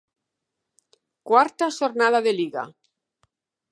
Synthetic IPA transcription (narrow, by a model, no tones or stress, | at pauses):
kwaɾt̪aʃoɾnað̞aðeliɣa̰